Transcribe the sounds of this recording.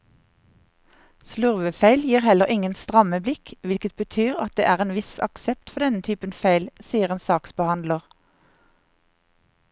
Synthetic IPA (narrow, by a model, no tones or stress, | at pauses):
slʉʁʋəfeɪljiːʁhɛləʁɪŋənst̪ʁɑməblɪkʋɪlkət̪̚bət̪ʰyːʁɑt̪̚d̪ḛːʔæːʁeːnʋɪsɑ̰ksɛp̚t̪fɔʁd̪ɛnət̪ʰyːpənfeɪlsiːəʁeːnsɑːksbəhɑnd̪ləʁ